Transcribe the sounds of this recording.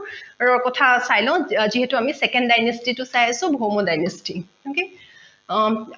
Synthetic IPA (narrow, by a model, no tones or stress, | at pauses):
ɹɔkɔtʰasajlɔ̃ʊ̃ziɦɛtʊamisɛkɛnddajnestitʊsajasʊ̃bʱɔɦmodajnesti | oke